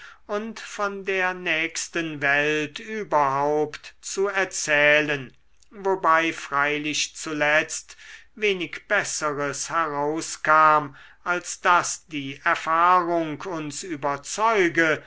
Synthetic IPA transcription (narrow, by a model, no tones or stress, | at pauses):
ʊntfɔndeːɐnɛːkstənvɛltyːbɐɦaʊptt͡suɛɐt͡sɛːlən | vobaɪfʁ̥aɪlɪʃt͡sulɛt͡stveːnɪkb̥ɛsəʁəshɛʁaʊskaːm | ʔalsd̥asd̥iːʔɛɐfaːʁʊŋkʰʊnsyːbɐt͡sɔʏɡə